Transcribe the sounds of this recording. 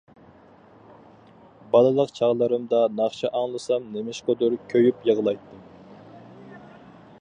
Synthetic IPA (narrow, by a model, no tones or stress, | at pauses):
bɑlˠɨlˠəqt͡ʃʰɑʁlˠəɾɨmd̪ɑnɑχt͡ʃʰɑʔɑŋlˠɨsɑmnemɪʃqod̪uɾkʲʰøjypjəʁlˠɑjt̪ʰːɨ